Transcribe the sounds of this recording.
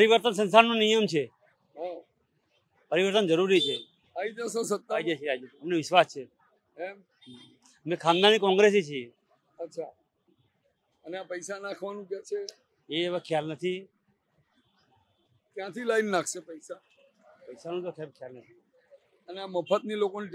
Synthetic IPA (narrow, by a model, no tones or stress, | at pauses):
pəɾiʋəɾt̪əns̬ənsaɾnũnijəmt͡ʃʰe | ɦa | pəɾiʋəɾt̪ənd͡ʒəɾuɾit͡ʃʰe | aid͡ʒasõsət̪ːaaid͡ʒat͡ʃʰead͡ʒoəmneʋɪʃʋast͡ʃʰe | em | mẽkʰãŋd̪añikɔ̃ŋɡɾes̬it͡ʃʰie | ətːʃʰa | əneapəjsanãkʰʋanũkjãt͡ʃʰe | eːʋakʰjalnət̪ʰi | kjãt̪ʰilainnakʰʃepəjsa | pəjsanũt̪okʰakʰjalnət̪ʰi | əneaməfət̪nilokon